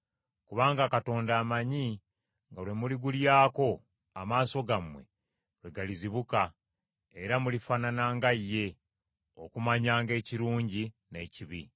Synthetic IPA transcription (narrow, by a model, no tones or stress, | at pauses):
kuβaːŋɡakato̞ːndaːmaɲi | ŋɡalwe̞muliɡuljaːko̞ | a̰maːso̞ɡamwe̞̰ | lwe̞ɡaliziβuka | eɾamulifananaːŋɡaijːe̞ | o̞̰kumaɲaːŋɡe̞ːciɾuːɲɟi | ne̞ːciβi